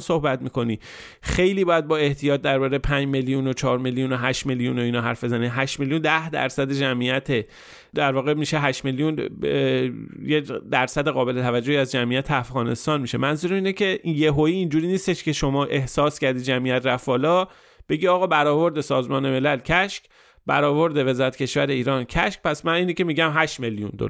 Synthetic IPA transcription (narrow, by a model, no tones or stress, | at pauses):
so̞hbæt̪miːko̞niː | xe̞jliːbɒːjæd̪̚bɒːe̞ht̪ʰijɒːt̪̚d̪æɾbɒːɾepʰænd͡ʒme̞lijunot͡ʃʰɒːɾme̞ljunoɦæʃme̞ljuno̞iːnɒːɦæɾfbe̞zæniɦæʃmelijund̪æhd̪æ̰ɾsæd̪ed͡ʒæmijæt̪ʰe | d̪æɾvɒːɣe̞miʃeɦæʃmelijun | jed̪æɾsæd̪eɣɒːbe̞le̞t̪ʰævæd͡ʒːohiæzd͡ʒæmʔijæt̪ʰeæfɣɒːne̞̰st̪ɒːnmiːʃe̞mænzuɾemiːnecʰe̞ijeɦoiːnd͡ʒuːɾiːniːst̪e̞ʃce̞ʃo̞mɒːʔe̞hsɒːscæɾd̪id̪d͡ʒæmijæt̪ɾæfbɒːlɒː | b̥e̞ɟiɒːɣɒːbæɾɒːvo̞ɾd̪esɒːzmɒːne̞me̞lælcʰæʃk | bæɾɒːvo̞ɾd̪e̞ve̞zɒːɾæt̪cʰe̞ʃvæɾe̞iːɾɒːncʰæʃk̚pæsmæniːnicʰe̞miːɟæmɦæʃme̞ljṵnd̪o̰